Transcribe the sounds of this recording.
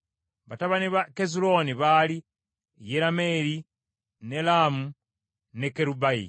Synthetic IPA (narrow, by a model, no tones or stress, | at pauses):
βataβaniβakezulo̞niβaːli | jeɾame̞ɾi | nelaːmu | nekeɾubajḭ